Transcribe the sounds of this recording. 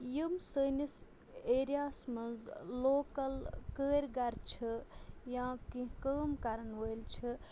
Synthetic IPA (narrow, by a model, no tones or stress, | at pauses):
jimsəːnis | eːɾijaːsmɐnzloːkɐlkəːɾɡɐɾt͡ʃʰijãːkĩɦkəːmkɐɾənʋəjlt͡ʃʰi